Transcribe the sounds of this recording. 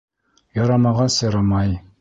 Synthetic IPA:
jɑɾɑmɑʁɑsɤ̆ɾɑmɑj

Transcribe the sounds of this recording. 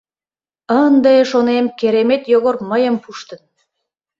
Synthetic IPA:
ənd̪eʃonemkeɾemet̪joɣorməjəmpuʃt̪ə̆n

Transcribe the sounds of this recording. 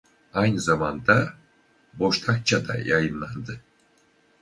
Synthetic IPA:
ajnɯzamand̪a | bo̞ʃt̪ʰak̚t͡ʃʰad̪a̰jajɯnlˠand̪ɯ

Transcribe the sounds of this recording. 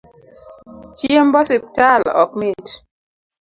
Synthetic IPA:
t͡ʃiembɔsip̚talɔ̰k̚met

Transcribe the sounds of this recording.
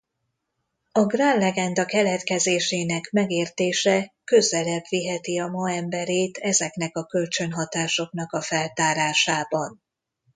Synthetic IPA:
ɒɡraːnlɛɡɛnd̪ɒkɛlɛt̪kɛzeːʃeːnɛkmɛɡeːrt̪eːʃɛkø̞zɛlɛbʋiɦɛt̪iɒmɒɛmbɛɾeːt̪ʰɛzɛknɛkɒkø̞lt͡ʃø̞nɦɒt̪aːʃo̞kn̪ɒkɒfɛlt̪aːɾaːʃaːbɒn

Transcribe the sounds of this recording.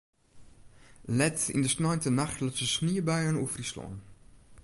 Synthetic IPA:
lɛtḭndəsnɔjntənaxtlɪtsəsniəbɛjənufrislɔ̰n

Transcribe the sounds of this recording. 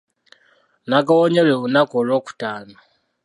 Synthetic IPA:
naɡawoɲelweβunakolwoːku̥taːno

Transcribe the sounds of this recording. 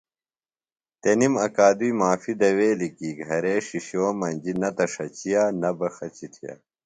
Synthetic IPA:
t̪enimɐkaːd̪uimaːfid̪ɐweːlikiːɡʱɐɾeːʂiɕoːmɐnd͡ʑinɐt̪ɐʂɐt͡ɕijaːnɐbɐxɐt͡ɕit̪ʰija̰ː

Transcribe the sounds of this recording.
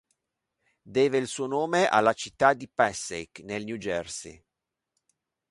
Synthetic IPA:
d̪ɛːveilsuːonoːmeʔa̰lːat͡ʃit̪ːad̪ipɛsejknelnjud͡ʒɛrsḭ

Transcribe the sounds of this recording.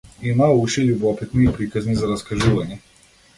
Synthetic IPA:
imauʃɛlʲubɔpit̪niːpɾikaznizaɾaskaʒuvaɲɛ

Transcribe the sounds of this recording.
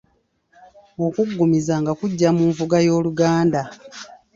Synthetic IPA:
o̞kuɡːumizaŋɡakuɟːamuːɱvuɡajo̞ːluɡaːnda

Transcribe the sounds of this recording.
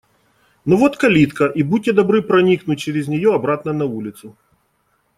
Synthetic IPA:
nɔvot̪kɐlʲit̪kɐʔibudʲtːʲɪd̪ɐbɾɨpɾɐnʲiknʊt̚ʲt͡ɕɪɾʲɪzʲnʲɪjoɐbɾat̪nɐnɐulʲɪt̪sʊ

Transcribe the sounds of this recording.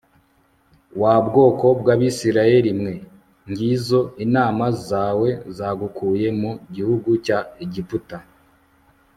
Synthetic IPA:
waːbɡo̞ːko̞bɡaβisiɾaje̞ɾimŋe̞ | ŋɡiːzo̞inaːmazaːwe̞zaːɡukʰuːje̞muɟihuɡucaiɟiputa

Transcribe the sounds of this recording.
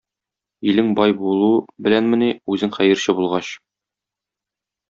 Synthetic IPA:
ilɘŋbɒjbulˠubɘ̆lænmɘ̆niʉzɘŋχæjɘ̆ɾɕɘbulˠʁɑɕ

